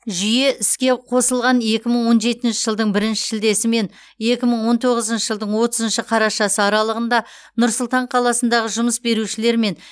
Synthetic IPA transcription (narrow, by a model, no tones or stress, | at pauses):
ʒʏje̞ɪskʲe̞qʰo̞səlˠʁɑne̞kʲɪməɴwo̞nʒe̞t̪ɪnʃɪʒəlˠd̪əɴbɪɾɪnʃɪ̥ʒɪld̪e̞sɪme̞n | je̞kʲɪməɴwo̞nt̪ʰo̞ʁəzənʃəʒəlˠd̪əɴwo̞t̪əzənʃɪqʰɑɾɑʃɑsəɑɾɑlˠəʁənd̪ɑ | nʊɾsʊlˠt̪ɑɴqʰɑlˠɑsən̪d̪ɑʁəʒʊməsbe̞ɾuʃɪle̞ɾme̞n